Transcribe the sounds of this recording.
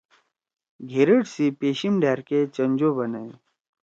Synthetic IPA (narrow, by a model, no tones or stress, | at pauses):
ɡʱeɾəɽsipeːɕimɖaɾket͡ɕəɲd͡ʑobənəj